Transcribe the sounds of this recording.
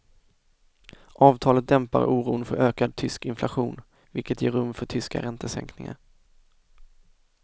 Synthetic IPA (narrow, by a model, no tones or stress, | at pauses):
ʔɑːvt̪ʰɑːlət̪̚d̪ɛmpa̰ɾuːɾṵːnfœɾøːkad̪̚t̪ʰʏskɪnflaɧuːn | vɪlkət̪jeːɾɵmfœʈʰʏska̰ɾɛnt̪əsɛ̰ŋknɪŋa̰ɾ